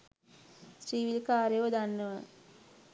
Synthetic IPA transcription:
sɾiːʋilkaːɾejʋəd̪anːəʋa

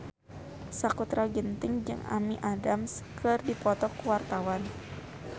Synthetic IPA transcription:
sakut̪ɾaɡənt̪ɪŋd͡ʒɨ̰ŋa̰miʔadamskʰɨrdipɔt̪ɔkuwart̪awan

